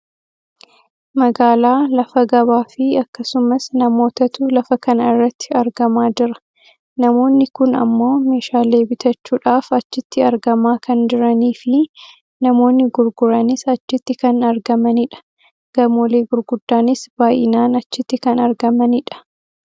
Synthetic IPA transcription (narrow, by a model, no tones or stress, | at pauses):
mɐɡaːlaːlɐfɐɡɐβaːfɪɐkːɐsʊmɐsnɐmo̞ːt̪ɐt̪ʊlɐfɐkɐnɐɪrːɐt̪ːɪ̥ɐɾɡɐmaːd͡ʒɪɾɐ̥ | nɐmo̞ːnːɪkʊnɐ̰mːo̞ːme̞ːʃaːle̞ːbɪt̪ʰɐt͡ʃːuːᶑaːfɐt͡ʃːɪt̪ːɪɐɾɡɐmaːkɐnd͡ʒɪɾɐniːfɪ | nɐmo̞ːnːɪɡʊɾɡʊɾɐnɪsɐt͡ʃːɪt̪ːɪkɐnɐɾɡɐmɐnɪᶑɐ̥ | ɡ̥ɐmoːle̞ːɡʊɾɡʊd̪ːaːnɪsbaːjɪnaːnɐt͡ʃːɪt̪ːɪkɐnɐɾɡɐmɐnɪᶑɐ̥